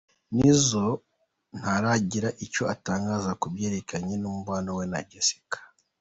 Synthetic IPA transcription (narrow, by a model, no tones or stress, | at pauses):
nizo̞ | n̥haɾaɟiɾaʔico̞ataːŋɡaːzakubje̞ːɾe̞kaɲenuːmuβaːnowena̰ɟesi̥kḁ